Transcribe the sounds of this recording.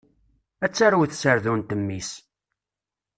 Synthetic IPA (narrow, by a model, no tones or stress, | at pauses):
æt͡sːaɾwθsəɾðunt̪əmːis